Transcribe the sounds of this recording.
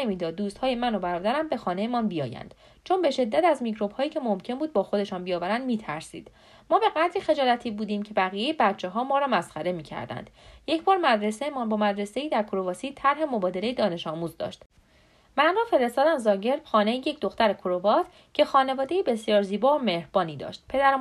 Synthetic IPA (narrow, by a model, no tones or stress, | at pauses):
nemiːd̪ɒːd̪ːuːst̪hɒːjemænobæɾɒːd̪æɾæmbe̞xɒːne̞jemɒnbijɒ̰ːjæ̰nd̥̪ | t͡ʃʰo̞nbe̞ʃe̞d̪ːæt̪æzmicɾo̞b̥hɒːjiːcʰe̞momcʰe̞nbuːd̪̚bɒːxo̞d̪e̞ʃɒːnbijɒːvæɾænd̪miːt̪ʰæɾsḭːd̪̥ | mɒːbe̞ɣæd̪ɾixe̞d͡ʒɒːlæt̪ʰiːbuːd̪iːmcʰe̞bæɣijejebæt̪t͡ʃʰːe̞ɦɒːmɒːɾɒːmæsxæɾe̞miːcʰæ̰ɾd̪æ̰nd̪̥je̞cʰbɒːɾmæd̪ɾe̞sejemɒːnbɒːmæd̪ɾe̞se̞iːd̪æɾkʰoɾo̞vɒːsiːt̪ʰæɾɦe̞mo̞bɒːd̪e̞lejed̪ɒːne̞ʃɒːmuːzd̪ɒ̰ːʃt̪ | mænɾɒːfe̞ɾe̞st̪ɒːd̪æmzɒːɟe̞ɾb̥xɒːnejiːje̞cʰd̪oxt̪æɾekʰoɾovɒːt̪ | cʰe̞xɒːne̞vɒːd̪e̞jebe̞sjɒːɾziːbɒːome̞hɾb̥ɒːniːd̪ɒ̰ːʃt̪̚pʰe̞d̪æɾ